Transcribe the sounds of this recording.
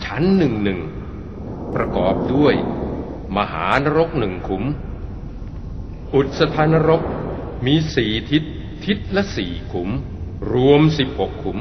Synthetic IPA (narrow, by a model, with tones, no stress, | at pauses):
t͡ɕʰa˦˥nːɯ˨˩ŋnɯ˨˩ŋ | pɾa˧kɔ̰ː˨˩p̚du˥˩əj | ma˧ɦa̰ː˩˦˧na˧˥ɾo˦˥k̚nɯ˨˩ŋkʰu˩˦m | ʔu˨˩t̪̚sa˧t̪ʰaː˧na˦˥ɾo˦˥k̚ | miː˧siː˨˩t̪ʰi˦˥t̪ʰː | i˦˥t̪̚lɛ˦˥ʔsḭː˨˩kʰu˩˦m | ɾu˧əmsi˨˩p̚ho˨˩kʰːu˩˦m